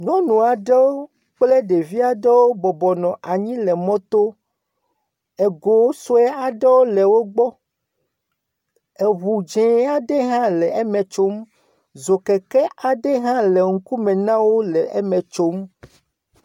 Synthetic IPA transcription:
nɔ̃˦nũ˨a˨ɖe˦wo˦ | k͡ple˦ɖe˨vi˦a˨ɖe˦wo˦bɔ˨bɔ˨nɔ̃˨ʔa˨ɲĩ˦lɛ˨mɔ̃˦t̪o˦ | e˨ɡo˨wo˦so˦ɛ˦a˨ɖe˦wo˦lɛ˨wo˦ɡ͡bɔ˦ | e˨βu˨d͡ʒɛ̃˨˦a˨ɖe˦ɦã˦lɛ˨ɛ˦mẽ˨t͡ʃo˦m | zo˨kɛ˨kɛ˦ʔa˨ɖe˦ɦã˦le˨ŋ̩˦ku˦mẽ˨nã˦wo˦lɛ˨ʔe˦mɛ̃˨t͡ʃo˦m

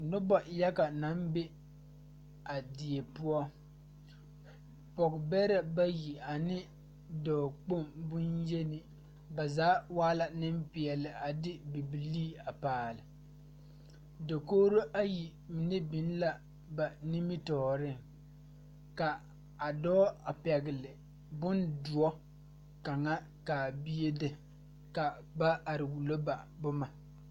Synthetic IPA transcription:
nʊ˦bɔ˨ja˦ka˨na˨˦mbe˦ | a˨di˨e˨pʊ˦ɔ˦ | pɔ˨kbɛ˦ɾɛ˦ba˦ji˨a˨nɪ˦ | dɔː˨k͡po˦˨mbʊ˦nje˦nɪ˨ | ba˨zaː˨˦waː˦la˨nɪ˦m˦pɪ˨ɛ˨lɪ˨ʔa˨dɪ˦bi˨bi˨liː˦a˨paː˨lɪ˨ | do˨koː˦ɾo˦ʔa˦ji˨ | mɪ˨nɛ˦bɪ˨n˦la˦ | ba˨ni˦mɪ˦tɔː˨ɾɪ˦˨ŋ | ka˨ | a˨dɔː˦a˨pɛ˨ɡɪ˨lɪ˨ | bʊ˦ndʊ˨ɔ˦ | ka˨ŋa˦ | ka˨bi˦je˦dɪ˨ | ka˨ | ba˦ʔa˨ɾɪ˨wu˨lo˦ba˨bʊ˦ma˨

